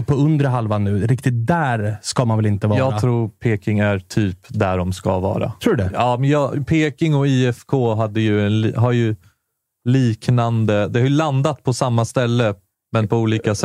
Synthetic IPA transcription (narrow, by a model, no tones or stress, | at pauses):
pʰːɔɵnd̪ɾəɦalvanʉ̟ːɾɪkt̪ɪt̪̚d̪æɾskamanvɛlɪnt̪əvɑjɑɾːɡat̪ʰɾuːɾpʰeːkɪŋæɾʈʰyːpd̪æɖɔmska̰vɑ̰ːɾa̰ɾuːd̪ɛɑːmɛnjɑːpʰeːkɪŋɔiːɛfkʰoːɦad̪ːəjɵɛnlɦaɾjɵ | liːknand̪əd̪ɛhaɾjɵland̪at̪pʰɔsamːast̪ɛlːə | mɛnpʰɔuːliːkas